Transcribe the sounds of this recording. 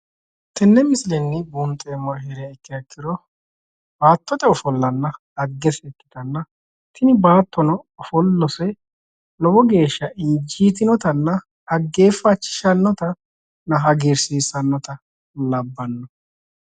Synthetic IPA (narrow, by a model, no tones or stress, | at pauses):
t̪ɛnːɛmɪsɪlɛnːɪbunt̪ʼeːmɐɾɦɛɾɛɛkːɪɐkːɪd̪ɔ | b̥aːt̪ːɔt̪ʼɛɔfɔlːɐnːɐ | ɐɡːɛsɛkːɪ̥d̪ɐnːɐ | t̪ʰɪnɪbaːt̪ːɔnɔɔfɔlːɔsɛ | lɔbɔɡe̞ːʃːɐʔɪnd͡ʒiːt̪̬ɪnɔt̪ɐnːɐ | ɐɡːeːfɐt͡ʃːɪ̥ʃɐnːɔt̪ɐ | nɐɦɐɡɛɾsiːsɐnːɔt̪ɐ | lɐbːɐnːɔ